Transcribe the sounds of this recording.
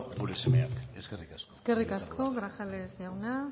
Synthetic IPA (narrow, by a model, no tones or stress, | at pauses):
ɡuɾesemeake̞̰skerikaskoeske̞rikaskʰo̞ɣɾaxalesawna